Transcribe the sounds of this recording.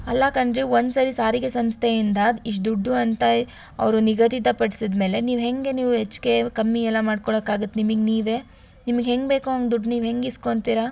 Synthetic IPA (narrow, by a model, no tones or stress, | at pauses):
ɐlːɐkɐɳɖɾio̞nd̪saːɾisaːɾiɡesɐmst̪ʰeind̪aːd̪iʂʈ̚d̪uɖːuɐnt̪ɐ | ɐ̰ʋɾuniɡɐt̪it̪̬ɐpɐɽisid̪me̞ːle̞niːʋɦe̞ŋɡe̞niːʋuɦet͡ʃːke̞kɐmːiɛlːɐmaːɖkoɭoːkaːɡut̪ːnimiɡniːʋeː | nimɐɡɦe̞ŋɡbe̞ːkuɦɐŋɡd̪uɖniːʋɦe̞ŋɡisko̞nt̪iɾɐ